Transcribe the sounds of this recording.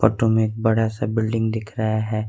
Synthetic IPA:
ɔ̰ːʈomẽeːk̚bɐɽasabɪlɖɪ̃ŋɡd̪ɪkʰɾaɦaɦɛː

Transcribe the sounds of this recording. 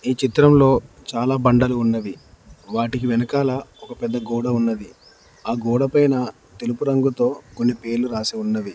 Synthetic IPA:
iːt͡ʃit̪ɾɐmlo̞ː | t͡ʃaːlaːbɐɳɖɐluːnːɐʋi | ʋaːʈikiʋɛnɐkaːlɐɔkɐpɛd̪ːɐɡɔːɽɐunːɐd̪i | aːɡɔːɽɐpɐjnɐ | t̪e̞lupuɾɐŋɡut̪o̞ːko̞nːipe̞ːɾluɾaːsiunːɐʋi

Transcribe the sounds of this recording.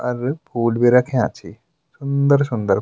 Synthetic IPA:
ɐɾpʰuːlbiɾakʰẽã̰t͡ɕi | sund̪əɾs̬und̪əɾ

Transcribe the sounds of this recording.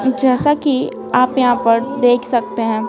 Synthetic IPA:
d͡ʒɛːsaki | aːpjɐɦãpɐɾd̪eːkʰsɐk̚t̪eɦɛ̃ː

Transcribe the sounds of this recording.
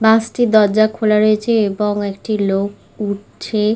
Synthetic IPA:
bãsʈid̪ɔɾd͡ʑakʰolaɾoet͡ɕʰeeboŋekʈilok | uʈ̚ | t͡ɕʰe

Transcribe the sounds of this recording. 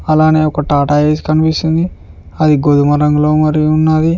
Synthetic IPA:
ɐlaːne̞ːɔkɐʈaːʈaːeːsi̥kɐnipist̪ind̪i | ɐd̪iɡod̪umɐɾɐŋɡlo̞ːmɐɾiunːaːd̪i

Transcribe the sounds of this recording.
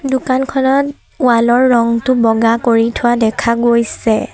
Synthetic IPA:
dʊkankʰɔnɔt | ʊalɔɹːɔŋtʊbɔɡakoɹitʰʊwadɛkʰaɡojsɛ

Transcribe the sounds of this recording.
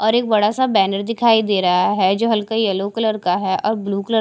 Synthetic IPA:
ɔːɾeːk̚bɐɽasabɛːnəɾd̪ɪkʰaːid̪eːɾɐɦaɦɛd͡ʒoːɦɐlkajɐlokləɾkaɦɛʔɔːɾbluːkələ

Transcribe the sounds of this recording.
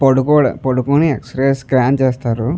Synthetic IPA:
pɐɽukoɽpɐɽukuniekspɾeskɾaːnt͡ʃeːst̪aːɾu

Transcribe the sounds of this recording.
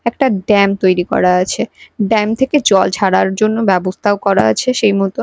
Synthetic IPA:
ɛk̚ʈaɖɛmt̪ojɾikɔ̰ɾaat͡ɕʰeɖɛmt̪ʰeked͡ʑɔlt͡ɕʰaɽaɾd͡ʑonːobɛbost̪ʰaokɔɾaa̰t͡ɕʰeʃejmɔt̪o

